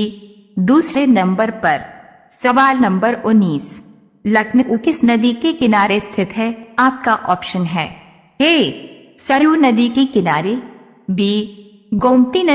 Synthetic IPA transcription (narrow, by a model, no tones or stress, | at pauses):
d̪uːsɾenɐ̃mbəɾpɐɾ | sɐʋaːlnɐ̃mbəɾʊnːiːs | lɐkʰnəkukɪsnɐd̪ikekɪnaːɾest̪ʰɪt̪ʰɦɛaːp̚kaʔɔːpʃənɦɛː | heː | sɐɾjunɐd̪ikekɪnaːɾe | biː | ɡoːmʈinɐ